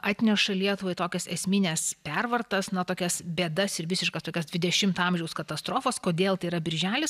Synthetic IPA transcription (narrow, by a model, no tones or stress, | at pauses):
ʔɑːt̪ʲnʲɛʃɐlʲiɛt̪ʊʋɐɪt̪oːkʲɛsɛsʲmʲɪnʲɛspʲɛrʋɐrt̪ɐsnɐt̪oːkʲɛsbʲeːd̪ɐsɪɾʋʲɪsʲɪʃkɐst̪oːkʲɛsdʲʋʲɪd̪ʲɛʃʲɪmt̪ɑmʲʒʲɛʊskɐt̪ɐst̪ɾoːfɐskoːd̪ʲeːlˠt̪ɐɪiɾɐbʲɪɾʲʒʲæːlʲɪs